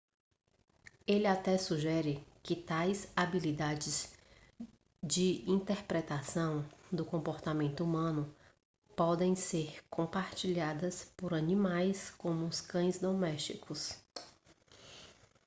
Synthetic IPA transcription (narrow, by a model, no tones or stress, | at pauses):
elɪat̪ɛsuʒɛɾɪkɪt̪ajzabilid̪ad͡ʒɪz | d͡ʒɪĩnt̪eɾpɾet̪asɐ̃w̃d̪ʊkõmpoɾt̪amẽnt̪ʊumɐ̃nʊ | pɔd̪ẽj̃seɾkõpaɾt͡ʃiʎad̪ɐspoɾɐnĩmajskõmʊskɐ̃j̃zd̪omɛst͡ʃikʰʊs